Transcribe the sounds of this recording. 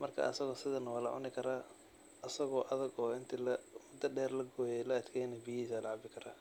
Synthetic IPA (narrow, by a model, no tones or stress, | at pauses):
mɐrkʰa̰ʔɐ̰sɐɣɔːsɪðɐnɐwaːlɐ̰ʕʊ̰nɪkʰɐɾaː | ɐsɐɣɔːʔɐðɐɡɔːɪnt̪ʰilɐmʊd̪ɐɖɛːrlɐɡɔːjɛlɐɐd̪kʰɛjnɛbijiːsaːlɐʕɑbɪkʰɐɾa̰ː